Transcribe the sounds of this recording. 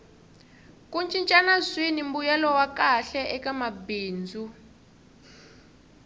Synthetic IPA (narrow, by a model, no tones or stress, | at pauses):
kʼunt͡ʃʼint͡ʃʼanazwinim̩bujɛlɔwakaɬɛʔɛkamabiːnd͡zʱu